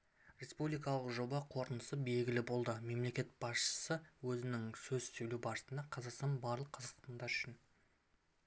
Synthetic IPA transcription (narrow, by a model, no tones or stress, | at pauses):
rʲe̞spublijkɑlˠəqʒo̞bɑqʰo̞ɾt̪ənəsəbe̞lɡʲɪlɪbo̞lˠd̪əme̞mle̞kʲe̞t̪̚b̥ɑsʃə̥səwɵzɪnɪŋsɵzsɵjlubɑɾəsənd̪ɑqʰɑzɑqst̪ɑnbɑɾlˠəqʰɑzɑq̪t̪ɑnd̪ɑɾʏʃɪn